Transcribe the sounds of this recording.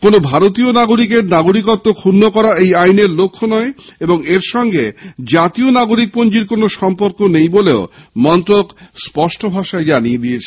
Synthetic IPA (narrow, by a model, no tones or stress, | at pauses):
konobʱaɾot̪ionaɡoɾik̬eɾnaɡoɾikot̪ːokʰunːokɔɾaejajneɾlokʰːonɔeeboŋeɾʃɔŋɡed͡ʑat̪ionaɡoɾik̚pond͡ʑiɾkonoʃɔmpoɾkonejboleomɔnt̪ɾokspɔʃʈobʱaʃaed͡ʑanied̪iet͡ɕʰe̥